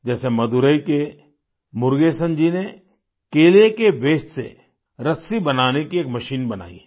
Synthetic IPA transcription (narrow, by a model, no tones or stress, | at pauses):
d͡ʒɛːsemɐd̪uɾəike | mʊɾɡeːsə̃nd͡ʒine | keːlekeʋeːʃsḛ | ɾɐsibɐnaːnekieːkmɐʃiːnbɐna̰ːḭ